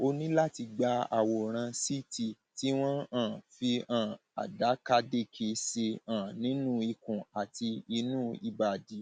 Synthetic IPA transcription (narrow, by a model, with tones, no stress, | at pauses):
o˧nĩ˦la˦ti˧ɡ͡ba˧a̰˨wɔ˨ɾ̃ã˧si˦tʰi˨ | ti˨˦w̃ɔ̃˦ãː˦˨fi˧ã˨a̰˨da˨˦ka˦˧de˦˨kʰe˧se˧ãː˨nĩ˨˦nũ˦i˧kũ˨a˨ti˧i˧nũː˦i˧ba˨di˨˦